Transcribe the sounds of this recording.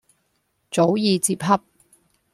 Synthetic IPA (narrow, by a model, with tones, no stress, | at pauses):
t͡so˨˥wjiː˨˧t͡siː˧p̚ɦɐ˥p̚